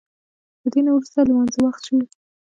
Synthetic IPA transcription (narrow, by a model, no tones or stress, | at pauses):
d̪̥əd̪enawɾust̪almanzawaxt̪ʃawi